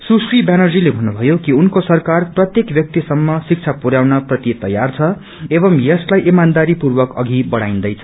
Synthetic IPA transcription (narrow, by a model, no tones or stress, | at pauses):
susribjanʌrd͡zilebʱʌnːubʱʌjokiunkosʌrkarprʌt̪jekbjʌk̚t̪isʌmːʌsik̚t͡sʰapuɾjawnʌprʌt̪it̪ʌ̰jːa̰rt͡sʰʌ | ebʌmjʌslajʔemand̪aɾipurbʌkʌ̰ɡʱibʌɽa̰j̃nd̪ʌjt͡sʰʌ̥